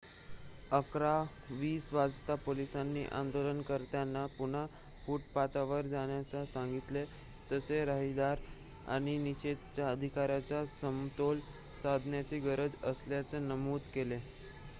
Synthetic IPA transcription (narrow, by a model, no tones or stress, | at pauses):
əkɾa | ʋiːsʋad͡zt̪apolisanːḭːʔã̰nd̪olənkəɾt̪janːapuɳ̤a | fuʈpat̪aʋəɾd͡zaɽ̃jat͡sasãŋɡit̪le | t̪əseɾaɦid̪aɾ | a̰ɽ̃iniɕet̪̚t͡ɕjaəd̪ʱikaɾjat͡sasəmt̪ol | sad̪ʱnjat͡siɡəɾəd͡zəsljat͡senəmuːt̪kele